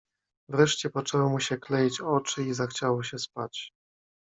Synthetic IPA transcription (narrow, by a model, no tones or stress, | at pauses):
vɾɛʂt͡ɕɛpɔt͡ʂɛwɔmuɕɛklɛjit͡ɕɔt͡ʂɘizaxt͡ɕawɔɕɛspat͡ɕ